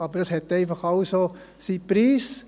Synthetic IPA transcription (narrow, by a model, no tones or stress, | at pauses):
ɑbəɾd̥ɑshɛtːɛɪfɑχɑʊso | sipɾiːs